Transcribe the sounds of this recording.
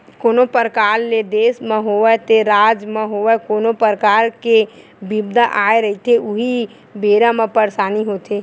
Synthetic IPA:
koːnopəɾkaːɾled̪eːsmə̃ɦoʋɛt̪eɾaːd͡ʒmə̃ɦoʋɛkoːnopəɾkaːɾke | bibd̪ʱaʔaːeɾəɦit̪ʰeʊɦi | beːɾãmə̃pəɾsaːniɦoːt̪ʰeː

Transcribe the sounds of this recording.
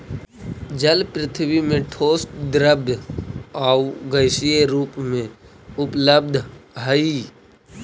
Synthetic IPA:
d͡ʒəlpɾɪt̪ʰbimẽʈʰoːsʈd̪ɾəb | aːuɡəɪsijeɾuːpmẽ | ʊpləb̚d̪ʱɦəi

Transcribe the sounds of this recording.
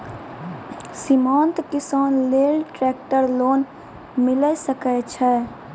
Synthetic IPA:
sɪmãːnt̪kɪsaːnleːlʈɾɛːk̚ʈəɾloːn | mɪlɛsəkɛt͡ʃʰɛː

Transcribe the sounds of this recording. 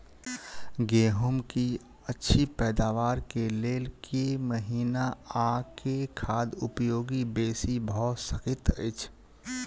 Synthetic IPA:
ɡeːɦʊmki | ətːʃʰipɛːd̪aːʋaːɾkeleːlkʰeməɦiːnaakekʰaːd̪ʊpjoːɡibeːsibʱɔɔsəkɪt̪ə̰ɪt͡ʃʰ

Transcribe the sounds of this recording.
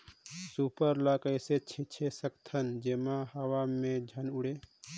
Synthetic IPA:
supəɾlakəjset͡ʃʰit͡ʃʰesəkt̪ʰənd͡ʒemahəwamẽd͡ʒʱənʊɽe

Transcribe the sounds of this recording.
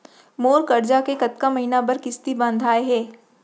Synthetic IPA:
moːɾkɐɾd͡ʒakekɐt̪kamɐɦiːnabɐɾkɪst̪ibə̃nd̪ʱaːeɦɛː

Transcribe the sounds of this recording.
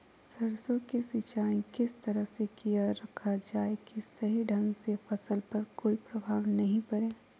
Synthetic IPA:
sɐɾsõkesɪt͡ʃaːĩkɪst̪ɐɾəɦsekijaɾɐkʰad͡ʒaːekisɐɦiɖʱɐ̃ŋɡsefɐsəlpɐɾkoːipɾɐbʱaːɡnɐɦĩpɐɽẽː

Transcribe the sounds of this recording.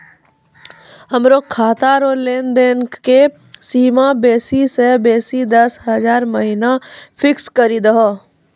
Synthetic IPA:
əmɾoːkʰaːt̪aɾoːleːnd̪enkke | siːmabeːsisebeːsid̪ɐsɦəzaːɾmɐɦiːnafʰɪkskəɾid̪əɦoː

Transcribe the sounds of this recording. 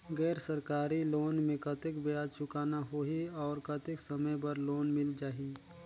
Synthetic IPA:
ɡɛːɾsəɾkaːɾiloːnmẽkət̪ɪkbejaːd̪t͡ʃʰʊkaːnaɦoːɦiɔːɾkɐt̪ɪksɐməjp̬ɐɾloːnmɪld͡ʒaːɦi

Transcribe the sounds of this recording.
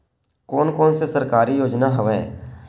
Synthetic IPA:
koːnkoːnsesəɾkaːɾijoːd͡ʒnaɦəʋɛ̰̃ː

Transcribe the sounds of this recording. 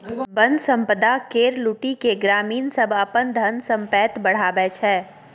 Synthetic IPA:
bə̃nd̪ʱsə̃mpəd̪akeːɾluʈikeɡɾaːmiːnsəbʱɐpənd̪ʱənsə̃mpɛːt̪bɐɽ̤aːbɛːt͡ʃʰɛː

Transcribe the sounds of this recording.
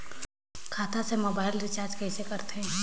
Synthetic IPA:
kʰaːt̪ʰasemoːbaːɪlʋɪt͡ʃaːɾd͡ʒkɛːsekɐɾt̪eɦɛ̃ː

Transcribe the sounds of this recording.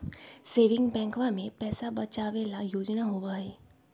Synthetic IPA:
seːʋɪ̃ŋɡbɛ̃ːŋkʋãmẽpɛːsabɐt͡ʃaʋeːlajoːd͡ʒnaɦoʋaɦɛː

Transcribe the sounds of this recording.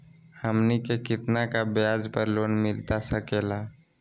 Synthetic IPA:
həmnikekɪt̪nakabjaːd͡ʒpəɾloːnmɪlt̪asəkeːla

